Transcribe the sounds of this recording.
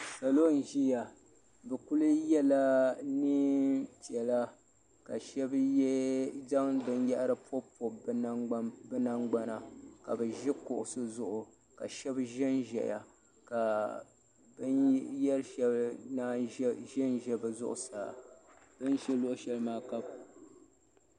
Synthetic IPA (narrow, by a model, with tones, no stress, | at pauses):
sa˨lo˦n̩˨ʒi˦ja˨ | bɛ˨ku˦lɨ˦jɛ˦la˦ni˦ti˨ɛ˨la˦ | ka˨ʃɛ˦b | za˦ŋ˦bɨ˦nja˦ʔɾɨ˦po˦po˨bbɨ˦na˦ŋɡ͡ba˦na˨ka˨bɨ˨ʒɪ˦kʊ˨ʔʊ˨sɨ˦zʊ˨ʔʊ˨ | ka˨ʃɛ˦bʒɛ˦nʒɛ̰˨ja̰˨ | ka˨ | bɨ˦njɛ˦ɾʃɛ˦bna˦ʒɛ˦nʒɛ˦bɨ˨zʊ̰˦ʔʊ̰˨sa˨ | bɨ˦nʃɛ˦lo˦ʔʊ˨ʃɛ˦lmaː˦ka˦b